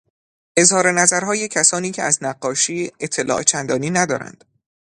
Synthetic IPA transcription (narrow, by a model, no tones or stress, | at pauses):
ʔe̞zhɒːɾe̞næzæɾɦɒːjecʰæsɒːniːcʰḛæznæɢːɒːʃiːe̞t̪ʰːe̞lʔɒ̰ːʔt͡ʃʰænd̪ɒːniːnæd̪ɒ̰ːɾæ̰nd̪̥